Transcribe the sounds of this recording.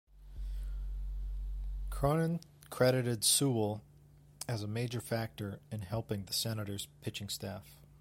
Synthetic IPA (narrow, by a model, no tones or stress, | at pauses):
kʰɹ̥ɑnɨ̃n | kʰɹ̥ɛɾɨɾɨdsul̩ˠ | ɨzəmeɪd͡ʒə˞fæk̚tə˞ɨ̃nhɛlˠpɪ̃ŋðɨsɛnɨɾə˞z̥pʰɪt͡ʃɪ̃ŋstæf